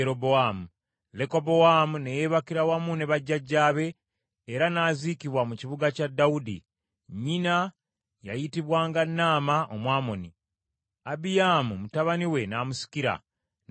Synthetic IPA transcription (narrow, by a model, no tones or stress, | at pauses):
eɾoboamu | le̞ko̞bo̞wamunejeβakiɾawamune̞βaɟːaɟːaːβe̞ː | ɾanaːzikiβwamuciβuɡacadːaudḭ | ɲina | ja̰jitiβwaːŋɡanːaːmaʔo̞mwaːmo̞ni | abijamumutaβaniwe̞naːmusi̥kiɾa̰